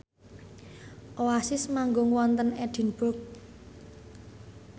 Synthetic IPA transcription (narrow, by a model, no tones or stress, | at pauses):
ʔoasɪsmaŋɡoŋwɔnt̪ənɛɖ̪̥i̤nbʊrk̚